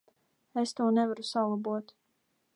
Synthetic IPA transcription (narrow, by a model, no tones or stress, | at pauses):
est̪uːnɛvaɾusalˠabuɔt̪